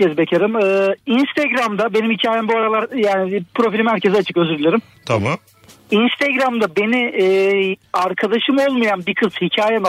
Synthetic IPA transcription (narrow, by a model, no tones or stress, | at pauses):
ɛzbecʰeɾimɯːinst̪ʰeɡɾamd̪abe̞nimhicʰaːjɛmbuaɾalˠaɾjaːnipʰɾo̞filʲimhæɾcʰezat͡ʃʰɯkøzyɾylʲeɾim | t̪ʰama | inst̪ʰeɡɾamd̪abe̞niː | aɾkʰad̪aʃɯmo̞lˠmajanbikʰɯshicʰaːjen